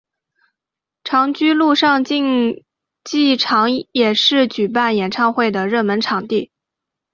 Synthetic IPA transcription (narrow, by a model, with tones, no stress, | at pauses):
ʈ͡ʂʰɑ˧˥ŋt͡ɕy˥lu˥˧ʂɑ˥˧ŋt͡ɕi˥˧ŋ | t͡ɕi˥˩ʈ͡ʂʰɑ˧˥ŋjɛ˨˩ʂɻ̩˥˩t͡ɕy˨˩p̬a˥˩njɛ˨˩nʈ͡ʂʰɑ˥˧ŋxwe˥˩ɪd̪ə˩ɻə˥˩nmə˧˥nʈ͡ʂʰɑ˨˩ŋt̪i˥˩